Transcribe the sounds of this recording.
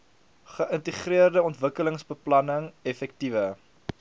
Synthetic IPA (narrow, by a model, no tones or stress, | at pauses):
χəʔəntiχriərdəɔntvəkələŋsbəplɐnəŋɛfɛk̚tivə